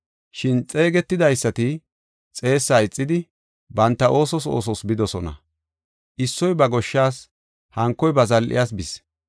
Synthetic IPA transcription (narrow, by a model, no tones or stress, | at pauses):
ʃɪnt͡sʼe̞ːɡɛt̪ːɪd̪ɐjsːɐt̪ɪ | t͡sʼe̞ːsːaːɪt͡sʼːɪd̪ɪ | bɐnt̪ːɐʔo̞ːsɔs̬o̰ːsɔsbɪd̪ɔsɔnɐ̰ | ʔɪsːɔjbɐɡɔʃːaːs | hɐŋkːɔjbɐzɐlʔɪ̰jaːs̬bɪs